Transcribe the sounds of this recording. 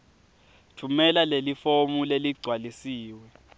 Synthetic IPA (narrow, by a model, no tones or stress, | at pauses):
tʰumɛlalelifomuleliɡ͡ǀʱwalisiːwɛ